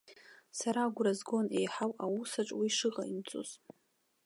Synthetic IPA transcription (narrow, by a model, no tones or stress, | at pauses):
saɾaɡʷrazɡone̞jħawawusaʈ͡ʂʼwiʂɨʁa̰imt͡sʼo̰z